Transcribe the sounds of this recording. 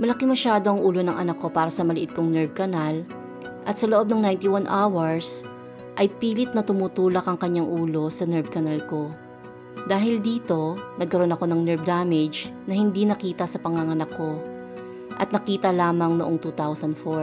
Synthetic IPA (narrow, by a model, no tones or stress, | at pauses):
mɐlɐkɪŋmɐʃaːd̪o̞ʔɐŋʔuːlo̞nɐŋʔɐnɐkːo̞paːɾɐsɐmɐlɪʔɪt̪̚koŋnɛɹb̚kɐnɐl | ʔɐt̪sɐloʔo̞b̚nɐŋnajnt̪iwanʔawɐɹs | ʔɐjpiːlɪt̪̚nɐt̪ʊmut̪uːlɐkɐŋkɐɲːaŋʔuːlo̞sɐnɛɹb̚kɐnɐlko̞ | d̪aːɦɪld̪iːt̪o̞nɐɡ̚kɐɾo̞nɐko̞nɐŋnɛɹb̚d̪aːmɛd͡ʒnɐhɪnd̪inɐkiːt̪ɐsɐpɐŋaŋɐnɐkːo̞ | ʔɐt̪̚nɐkiːt̪ɐlaːmɐŋnoʔoŋt̪uːt̪awsɐnd̪fo